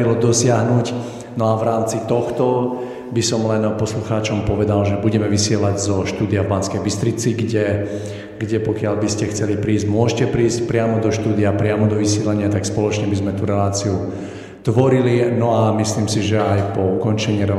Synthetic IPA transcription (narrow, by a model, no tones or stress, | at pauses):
ilɔd̪ɔsɪaɦnuc | nɔaʋɾaːmt͡sit̪ɔxt̪ɔ | bisɔmlɛnpɔsluxaːt͡ʃɔmpɔʋɛd̪alʒɛbuɟɛmɛʋisɪɛlaɟzɔʃt̪uːd̪ijavbanskɛjbist̪ɾit͡siɡɟɛ | ɡɟɛpɔkɪaʎbiscɛxt͡sɛlipɾiːszɟmʊɔʒɛcɛpɾiːscpɾɪamɔd̪ɔʃt̪uːd̪iapɾɪamɔd̪ɔʋisɪɛlaɲɪat̪akspɔlɔt͡ʃɲɛbizmɛt̪uɾɛlaːt͡siu | t̪ʋɔɾilinɔamisliːmsiʒɛajpɔukɔnt͡ʃɛɲiːɾɛ